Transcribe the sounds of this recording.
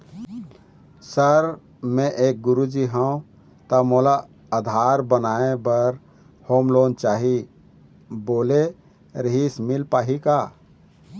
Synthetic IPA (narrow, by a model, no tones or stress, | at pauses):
səɾ | mẽʔeːk̚ɡʊɾud͡ʒiɦɛõ | t̪əmoːla | əd̪ʱaːɾbənaːebəɾ | hoːmloːnt͡ʃaːɦi | boːle | ɾəɦismɪlpaːɦika